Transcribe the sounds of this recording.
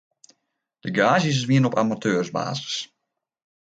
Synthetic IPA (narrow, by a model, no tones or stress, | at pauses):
d̥əɡaːzəs̬sʋiənɔpa̰matʰøːrzba̰ːzəs